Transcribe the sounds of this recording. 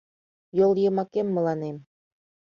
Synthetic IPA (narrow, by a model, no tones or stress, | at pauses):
jolˠjɤ̆mɑkemːɤ̆lɑnem